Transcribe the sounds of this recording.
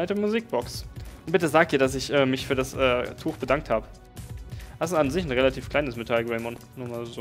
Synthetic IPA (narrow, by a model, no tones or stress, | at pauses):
aɪtəmuziːk̚b̥ɔksʔʊnb̥ɪtəzaːk̚d̥iːɐdasɪçʔɛːmɪçfyːɐdasʔɛ̰ːtʰuːxb̥ədaŋk̚thaːbə | vassanzɪçn̩ʁelatʰiːfkl̥aɪnəsmetʰalɡʁɛɪmɔnnumaːlzoː